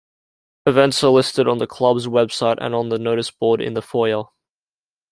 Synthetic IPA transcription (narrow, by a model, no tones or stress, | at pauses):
əvɛ̃ntsəlɪstɪɾn̩ðəkʰl̥ʌbzwɛb̥saɪtə̰̃ñnðənoʊɾɪsb̥ɔːɾɪ̰̃nðəfɔəlˠ